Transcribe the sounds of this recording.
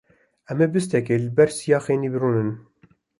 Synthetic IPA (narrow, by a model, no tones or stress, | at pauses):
ʔɛmebɨst̪ɛkeːlɨbɛɾsijɑːxeːniːbɨɾuːnɨn